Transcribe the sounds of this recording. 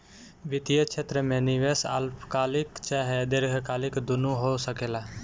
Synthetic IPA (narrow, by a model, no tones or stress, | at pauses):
ʋɪt̪ijət͡ʃʰet̪ɾəmẽnɪʋesa̰lpʰkaːlɪkt͡ʃaːɦed̪eɾɡʱkaːlɪkd̪ʊnuɦosəkeːlaː